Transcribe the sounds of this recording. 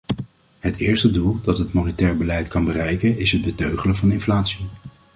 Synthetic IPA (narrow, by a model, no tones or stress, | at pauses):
ɦətʰɪːɹstədulˠdɑtɦətmonətɛːɹbəlɛjtkɑnbərɛjkənɪsɦəd̚bətøɥχələvɑnɪnflaːtsi